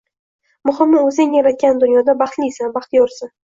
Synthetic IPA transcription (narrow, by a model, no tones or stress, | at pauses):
mʊχɪmːɪɵzɪŋjaɾat̪̚ɡʲand̪ʊnjɒd̪abɑχt̪lisanbɑχt̪ʰjɒɾsɪ